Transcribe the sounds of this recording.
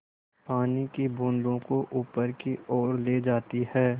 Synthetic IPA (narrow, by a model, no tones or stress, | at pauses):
paːnikibʊ̃ːnd̪õkoʔuːpəɾkiɔːɾleːd͡ʒaːt̪iɦɛː